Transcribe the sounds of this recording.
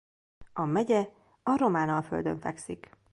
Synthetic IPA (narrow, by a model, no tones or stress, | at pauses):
ɒmɛɟɛ | ɒɾo̞maːnɒlfø̞̰ld̪ø̞̰ɱfɛ̰ksik